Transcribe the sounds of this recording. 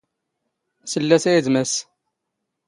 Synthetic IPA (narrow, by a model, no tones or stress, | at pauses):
səlːæsæjəzmæs